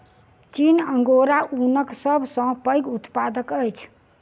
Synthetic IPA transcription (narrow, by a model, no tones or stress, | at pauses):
t͡ʃinəŋɡoɾaʔunəksəbʱsə̃pəjɡut̪pad̪əkəjt͡ʃʰ